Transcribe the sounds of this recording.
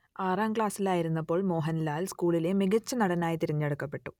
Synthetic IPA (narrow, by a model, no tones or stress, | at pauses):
aːraːmkɭaːsilaːjiɾunːɐpːo̞ːɭmo̞ːɦɐnlaːlskuːɭile̞miɡɐt͡ɕːɐnɐɽɐnaːjit̪iɾiɲːɐɽukːɐpːe̞ʈːu̥